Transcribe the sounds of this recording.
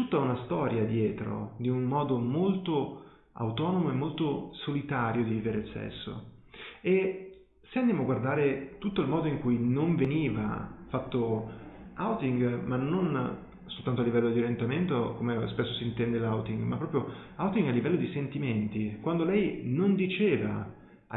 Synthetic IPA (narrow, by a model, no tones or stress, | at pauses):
t̪ut̪ːaunast̪ɔːɾjad̪jɛːt̪ɾo̰d̪iumːɔːd̪omolt̪o | a̰wt̪ɔːnomoemːolt̪osolit̪aːɾjod̪iviveɾesɛ̰sːo̰ | e | seand̪jamoaɡward̪aːɾet̪ut̪ːoilmɔːd̪oiŋkujnoɱveniːva̰fat̪ːo | awt̪iŋɡmanːon | solt̪ant̪oalːivɛlːod̪iɾjent̪ament̪okomespesːosiːnt̪ɛnd̪elawt̪iŋɡmapːɾɔːpɾjo | awt̪iŋɡalːivɛlːod̪isent̪iment̪ikwand̪olɛjnond̪it͡ʃeːva̰